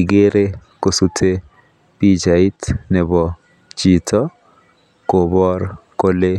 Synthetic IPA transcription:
iɡe˦ɾe˦ko˨su˦tʰe˦ | pi˦d͡ʒai˦tnɛ˨bɔ | t͡ʃitɔ˦ | kobɔ˦rko˦le˦

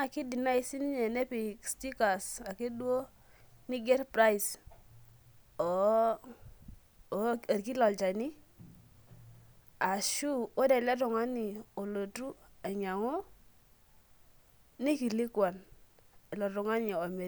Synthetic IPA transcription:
a˨ki˦di˨na˦i˨˦si˦ni˦ɲɛ˨nɛ˦pi˨ksti˦ka˨sa˨ki˦du˦o˦ | ni˦ɡɛ˦ɾpɾa˦i˨s | a˨ɾk̬i˦lɔ˨lt͡ʃa˨ni˦ | a˨ʃu˦o˦dɛ˨lɛ˦t̬ɔ˨ŋa˦ni˨o˨lo˨tu˦a˨ɲa˨ŋo˦ | ni˦ki˨li˦kwa˨n˨ | lɔ˨tɔ˨ŋa˦ɲi˨a˨me˨

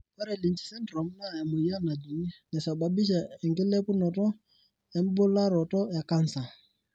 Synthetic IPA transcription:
pɛ˦ɾɛ˨li˨n˦t͡ʃi̥˨˦sɛ˦ndɾɔ˨m˦na˦˨ja˨mo˨i˦a˦na˨d͡ʒi˨˦nɛ˨sa˨ba˨bi˦ʃ̬ɛ˨ɛ˨ŋkɪ˦lɛ˦pʊ˦nɔ˨tɔ˦ | ɛ˨m̩˦bo˦la˦ɾɔ˨tɔ˦ja˨ka˦n̩˨sa˨

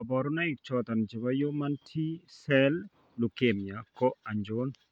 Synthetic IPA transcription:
abɔ˨ɾu˦na˦i˨k̚t͡ʃɔt̪a˨nt͡ʃa˨ba˦jo˦ma˦ntʰi˦sɛ˦l | lu˨ke˨mja˨kɔ˦a˨ɲd͡ʒon

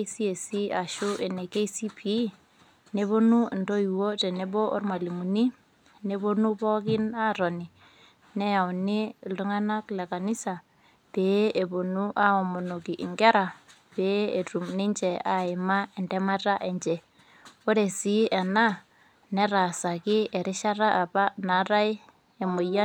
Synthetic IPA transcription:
si˦e˨si˦a˨ʃu˦ʔe˨ne˨ke˦isi˦pi˨˦ | ne˦βo˦nu˦˨ndo˦i˨wo˦tɛ˨ne˦bɔ˦ʔɔ˦ɾma˨li˨mu˨ni˦ | ne˦bo˦nu˦pɔ˦kɪ˦na˦ɾɔ˨ni˨ | nɛ˦ja˨ʊ˨ni˦˨ldu˦ŋa˦na˦klɛ˨ka˨ni˦sa˨ | pe˦e˨bo˨nu˦ʔa˦ɔ˨mo˨no˨ki˨ʔi˨ŋɡɛ˦ɾa˨ | pe˦e˨tu˨mni˦ɲt͡ʃɛ˨a˨ɪ˨ma˦e˨ndɛ˦ma˦ta˦ʔe˨ɲt͡ʃɛ˨ | o˦ɾe˨si˦ɛ˨na˦ | nɛ˦ɾa˨sa˨kɪ˦e˨ɾɪ˦ʃa˦ɾa˦ʔa˨pa˦na˨˦ɾa˦ɪ˦ | e˨mo˨ja˦

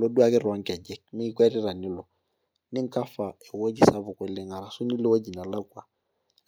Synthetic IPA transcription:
lo˦du˦a˦kɪ˦ra˦ŋ̩˦kʼɛ˨d͡ʒɛ˦kmɪ˦kwɛ˦ɾɪ˦ra˨nɪ˦lɔ˨ | nɪ˦ŋ̩˦kʼa˦fa˨ɪ˨wo˦d͡ʒi˦sa˦vʊ˨kwɛ˨lɪ˦ŋa˨ɾa˨sʊ˦ni˦lɪ˦wo˦d͡ʒi˨na˨la˦kwa˨

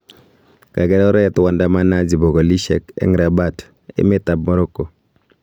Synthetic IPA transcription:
ka˨ɡɛ˦dɔ˦ɾɛ˦˨t̪wa˨nda˦ma˦na˦d͡ʒi˨bo˨ɡo˨li˦ʃɛ̰˨kɛ̰˦ŋɾa˨ba˦t | ɪ̰˦mɪ˦t̪a˨b̚mɔ˦ɾo˦ko˨

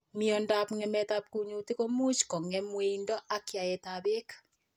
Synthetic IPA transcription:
miɔ˨nda˨pŋɛ˨mɛ˦ta˦p̚ku˨ɲo˨ti˦ko˦mu˦t͡ʃkɔ˨ŋɛ˦mwe˦indɔ˦ʔa˦kja˨ɛ˨taβe˦kḁ

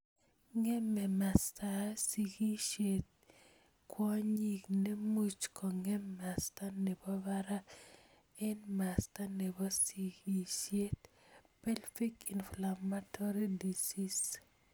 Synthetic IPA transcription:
ŋɛ˦mɛ˨ma˨sta˨si˨ɡi˦ʃe˨t̚ | kwɔ˦ɲi˨kne˦mu˦t͡ʃkɔ˨ŋɛ˦mːa˨sta˦ne˨bɔ˦baɾa˦ | ɛ˦nma˨sta˦ne˨bɔ˦siɡi˦ʃe˦t | pɛ˦lfi˦ki˨nflamatɔ˦ɾi˦di˨si˦s

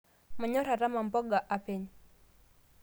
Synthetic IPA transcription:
ma˨ɲɔ˦ɾa˨ɾa˦ma˨mbɔ˦ɡa˨ʔa˨pɛ˦ɲ

